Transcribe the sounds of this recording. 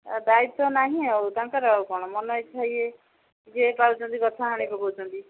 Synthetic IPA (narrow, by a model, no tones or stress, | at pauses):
d̪ait̪ɔnaɦĩawt̪ãŋkɔɾɔawkɔɽ̃ɔmɔnɔjt̪ʰaje | d͡ʒepaɾut͡ʃʰɔnt̪̬ikɔt̪ʰaɦaɽ̃ibʱɔbowt͡ʃʰɔnt̪i